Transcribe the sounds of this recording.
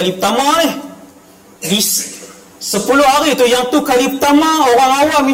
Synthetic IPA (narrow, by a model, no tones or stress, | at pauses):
alipət̪amanɛh | bis | səpulʊhaɾit̪ujaŋt̪ukalipət̪amaoɾaŋawami